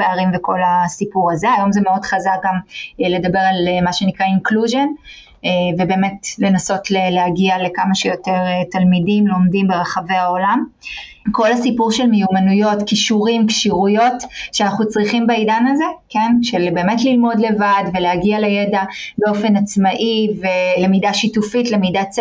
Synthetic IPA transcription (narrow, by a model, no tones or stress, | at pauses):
eaʁimveko̞lasipuʁaze̞ajo̞mzeme̞o̞dχazak̚ɡamle̞dabe̞ʁalmaʃe̞nikʁainkluʒe̞n | ve̞be̞ːme̞tle̞naso̞tlelehaɡiale̞kamaʃejo̞teʁetalmidimlo̞mdimbe̞ʁeχave̞ao̞lam | ko̞lhasipuʁʃe̞lmejumanujo̞tkiʃuʁimkʃiʁujo̞tʃeanaχut͡sʁiχimbaidanaze̞kenʃelbe̞ːmetlilmo̞dle̞vadveleaɡialejedabeo̞fe̞nat͡smaʔivelemidaʃitufitle̞mida